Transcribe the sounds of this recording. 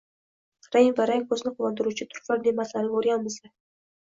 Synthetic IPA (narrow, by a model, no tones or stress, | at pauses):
ɾajnvaɾajkʰɵznɪqʰʊvɒnd̪ɪɾut͡ʃʰɪt̪ʰʊ̥ɾfaɾd̪emaslannoɾjanmɪzla